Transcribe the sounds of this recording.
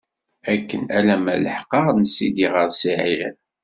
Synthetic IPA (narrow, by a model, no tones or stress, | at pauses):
ækːənælæmælə̰ħqəɾnəsːid̪iʁəɾsiʕi